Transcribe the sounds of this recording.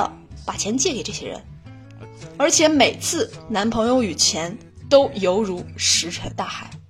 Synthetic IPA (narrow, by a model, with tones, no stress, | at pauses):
pa˨˩t͡ɕʰjɛ˧˥nt͡ɕjɛ˥˩ke˨˩ɪʈ͡ʂɤ˥˩ɕjɛ̰˥ɻə̰˧˥n | ə˞˧˥t͡ɕʰjɛ˧˥me˨˩ɪt͡sʰɹ̩˥˩na˧˥npʰɤ˧˥ŋjo˧ʊy˨˩t͡ɕʰjɛ˧˥n | t̪o˥ʊjo˧˥ʊɻu˧˥ʂɻ̩˧˥ʈ͡ʂʰə˧˥nt̪a˥˩xa˨˩˦ɪ